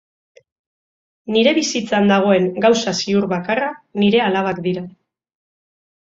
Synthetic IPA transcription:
niɾe̞βisit͡sand̪aɣ̞o̞e̞ŋɡawsasiuɾβakaraniɾe̞alaβ̞akd̪iɾa

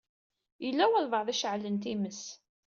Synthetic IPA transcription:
jəlːæwælvəʁˤðˤæʃəʕlənt̪iməs

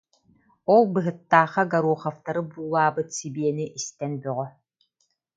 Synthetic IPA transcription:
ɔlˠbɯɦɯt̪ːaːχaɡaɾuɔχaft̪aɾɯbuːlˠaːbɯt̪sibiɛniʔist̪ɛnbyʁœ

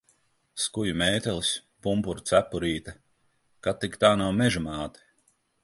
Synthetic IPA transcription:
skujumɛːt̪ɛlˠispumpuɾt̪sæpːuɾiːt̪ɐ | kat̪ːikt̪aːnawmɛʒumaːt̪i̥

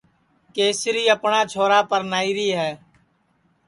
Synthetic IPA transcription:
keːsɾiːəpɳaːt͡ʃʰoːɾaːpəɾnaːiːɾiːɦɛː

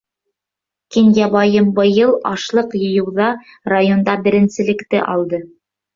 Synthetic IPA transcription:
kinjɑβɑjɤmbɤ̆jɤlˠɑʃlˠɤqjɤ̆jɤ̆wðɑ | rajond̪ɑbɘ̆ɾɘ̆nsɘ̆lɘ̆kt̪ɘʔɑlˠd̪ɤ

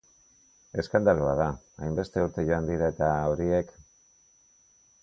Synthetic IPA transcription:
e̞skand̪aloað̞a | ajmbe̞st̪e̞uɾt̪e̞ʝo̞and̪iɾae̞t̪ao̞ɾie̞k

